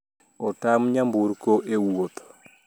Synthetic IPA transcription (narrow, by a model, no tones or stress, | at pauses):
ɔtamɲambuɾkoʔewot̪